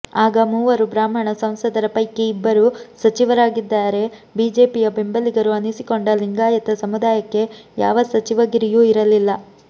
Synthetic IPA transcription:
aːɡɐmuːʋɐɾubɾaːmɐɳɐsɐ̃m̃sɐd̪ɐɾɐpɐjkeibːɐɾusɐt͡ʃiʋɐɾaːɡid̪ːaːɾe̞biːd͡ʒe̞ːpijɐbe̞mbɐliɡɐɾuɐnisiko̞ɳɖɐliŋɡaːjɐt̪ɐsɐmud̪aːjɐkːe̞ja̰ːʋɐsɐt͡ʃiʋɐɡiɾijuiɾɐlilːɐ

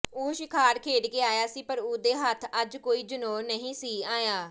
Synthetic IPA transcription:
oːʃɪkʰaːɾkʰeːɽkeːaːjaːsiːpəɾoːd̪eːɦət̪ʰəd͡ʒkoːiːd͡ʒʊnoːnəɦĩːsiːaːjaː

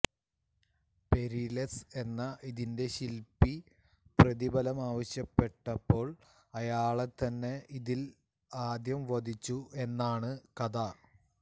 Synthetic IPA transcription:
pe̞ɾilese̞nːɐʔiðinde̞ɕilpːi | prɐðibɐlɐmaːʋɐɕjɐpːe̞ʈːɐpːo̞ːɭ | ɐjaːɭet̪ːɐnːe̞iðil | aːd̪jɐmʋɐd̪it͡ɕːue̞nːaːɳɨkɐd̪a

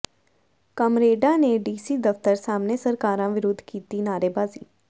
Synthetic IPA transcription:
kəmɾeːɖaːneɖiːsiːd̪əft̪əɾsaːmnesəɾkaːɾãʋɪɾoːd̪ʱkiːt̪iːnaːɾeːbaːzḭː

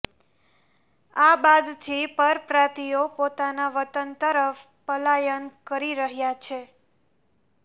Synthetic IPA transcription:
abad̪t̪ʰipəɾpɾat̪ijopot̪anaʋət̪ənt̪əɾəf | pəlajənkəɾiɾəɦjat͡ʃʰe

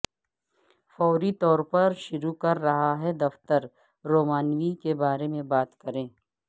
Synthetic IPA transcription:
fɔːɾit̪ɔːɾpɐɾʃʊɾukɐɾːɐɦaɦɛd̪ɐft̪əɾ | ɾoːmaːnwikebaːɾemẽbaːt̪kɐɾẽː

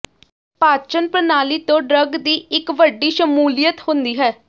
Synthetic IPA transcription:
paːt͡ʃənpɾənaːliːt̪õːɖɾəɡd̪iːɪkʋəɖiːʃəmuːlijət̪hʊ̃nd̪iːɦɛː

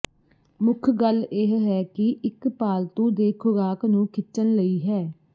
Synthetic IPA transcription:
mʊkʰɡəleɦɦɛːkɪʔɪkpaːlt̪ũːd̪eːkʰʊɾaːknũːkʰɪt͡ʃʃənləiːɦɛː

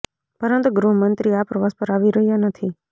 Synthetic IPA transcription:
pəɾənt̪uɡɾuɦəmənt̪ɾiapɾəʋaspəɾaʋiɾəɦijanət̪ʰi

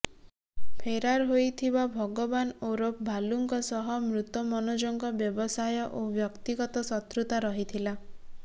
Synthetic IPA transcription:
pʰeɾaɾɦojt̪ʰibabʱɔɡɔbanoɾop̚bʱaluŋkɔsɔɦɔmɾut̪ɔmɔnod͡ʒɔŋɡɔbjɔbɔsajɔʔobjɔkt̪iɡɔt̪ɔsɔt̪ɾut̪aɾɔɦit̪ʰila

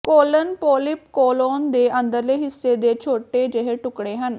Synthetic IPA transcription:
koːlənpoːlɪp̚koːloːnd̪eːʔə̃nd̪əɾleːɦɪsːed̪eːt͡ʃʰoːʈed͡ʒeɦeʈʊkɽeɦən

